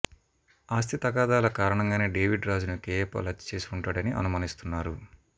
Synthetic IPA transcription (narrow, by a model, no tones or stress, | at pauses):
aːs̬t̪ʰit̪ɐkaːd̪aːlɐkaːɾɐɳɐŋɡaːne̞ːɖe̞ːʋiɖɾaːd͡ʒunukeːpɐ̰lɐt͡ʃːt͡ʃe̞ːsi̥uɳʈaːɽɐniʔɐ̰numaːnist̪unːaːɾu